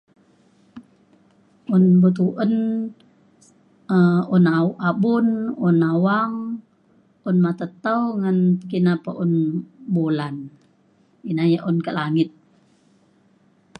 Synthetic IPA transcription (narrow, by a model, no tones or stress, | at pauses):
ʔunbut̪̬uʔən | əunaʔabununawaŋ | ʔunmat̪ət̪əwŋankinapaʔunbolan | inajaʔunkaʔlaŋɪt̪̚